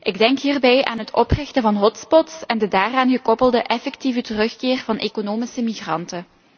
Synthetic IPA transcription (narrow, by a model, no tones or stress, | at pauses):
ʔɪɡdɛŋkɦiːrbɛja̰ːnɦətʰɔprɪxtəvɑnɦɔtspɔtsɛndədaːraːnɣəkɔpəlˠdəʔɛfɛktivətərɵxkɪːrvɑnʔeːkonoːmisəmiɣrɑ̰ntə